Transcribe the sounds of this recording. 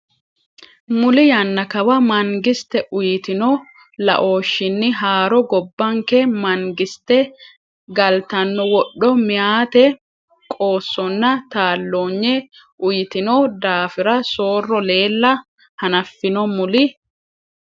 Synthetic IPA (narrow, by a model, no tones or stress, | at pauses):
mʊlɪjɐnːɐkɐwɐmɐŋɡɪst̪ɛʔʊjɪt̪ɪnɔ | lɐ̰ʔo̞ːʃːɪnːɪɦaːɾɔɡɔbːɐŋkɛmɐŋɡɪst̪ɛ | ɡɐlt̪ɐnːɔwɔɗːɔmɪjaːt̪ɛ | kʼo̞ːsːɔnːɐt̪aːlːoːɲːɛ | ʔʊjɪt̪ɪnɔd̪aːfɪɾɐso̞ːrːɔle̞ːlːɐ | hɐnɐfːɪnɔmʊlɪ